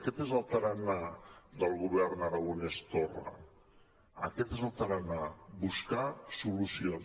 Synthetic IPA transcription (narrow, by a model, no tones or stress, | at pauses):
ket̪ezalt̪aɾanad̪alɣuβeɾnaðaɣunest̪ora̰ | aket̪ezalˠt̪aɾanaβuskasulusion